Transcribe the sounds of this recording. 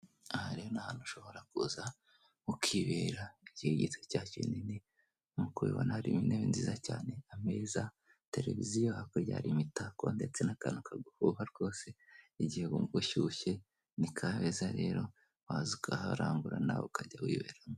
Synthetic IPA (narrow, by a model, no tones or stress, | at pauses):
ahaɾejonahanhuʃo̞βo̞ɾakuza | ukiβeːɾaiɟiheɟitecaːcḭnini | mukuβewa̰nahaɾimineβenziːzacaːne̞ame̞ːza | te̞ɾe̞̰vizijohakoɾɟa̰ːɾimitakondet͡se̞naka̰nukʰaɡuhuhaɾɡo̞ːseiɟihekumuɡuʃuʃe̞ | nikʰaβezaɾe̞ːɾo̞ | wazukahaɾaːŋɡuɾana̰βo̰kaɟawḭːβe̞ːɾamo